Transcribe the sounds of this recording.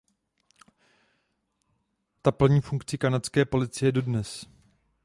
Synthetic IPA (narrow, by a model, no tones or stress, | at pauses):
t̪apl̩ɲiːfuŋkt͡sɪkanat͡skɛːpo̞lɪt͡sɪjɛdo̞dnɛs